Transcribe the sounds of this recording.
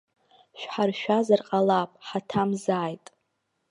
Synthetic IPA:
ʃᶣħarʃᶣazarqʼalapʼħatʰamzaːjtʼ

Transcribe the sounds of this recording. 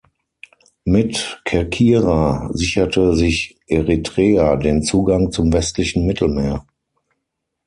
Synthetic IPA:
mɪtkʰɛɐkʰiːʁazɪçɐtəzɪçʔeʁitʁ̥ɛːadeːnt͡suːɡaŋt͡sʊmvɛstlɪçn̩mɪtʰl̩meːɐ

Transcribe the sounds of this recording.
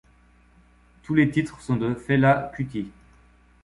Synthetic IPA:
t̪ulet̪it̪χsɔ̃d̪əfɛlakʲyt̪ʲi

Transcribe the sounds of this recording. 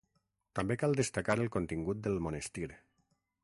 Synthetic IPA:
t̪ambekalˠd̪əst̪akaɾəlˠkont̪iŋɡut̪̚d̪əlˠmonəst̪iɾ

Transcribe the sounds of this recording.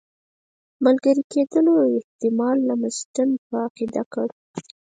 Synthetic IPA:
malɡəɾiked̪əloɪht̪ɪmɑlːamasʈənpəaqid̪akaɽu

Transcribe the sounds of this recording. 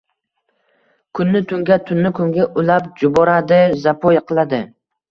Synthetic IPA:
kʰʊnːɪt̪ʰʊŋɡʲat̪ʰʊnːɪkʰʊŋɡʲaʔʊlap̚d͡ʒʊbɒɾad̪ɪzapʰojqʰɨlˠad̪ɪ

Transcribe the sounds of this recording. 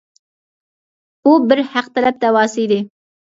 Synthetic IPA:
ubɪɾhæq̚t̪ʰɛlɛp̚t̪ɛwɑːsɨjd̪ɪ

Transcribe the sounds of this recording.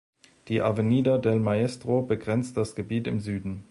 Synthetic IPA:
d̥iːʔavəniːdɐdɛlmaɛstʁ̥obəɡʁɛnt͡std̥asɡ̥əbiːtɪ̰mzyːdn̩

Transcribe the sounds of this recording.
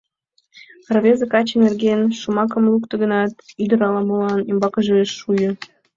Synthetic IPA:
rβʲezĕkɑt͡ɕenerɣenʃomɑk̬ə̆mlukt̪ɤ̆ɣənɑt̪yd̪ə̆ɾɑlɑmɤlɑnembɑkə̆ʒeeʃːujɤ̆

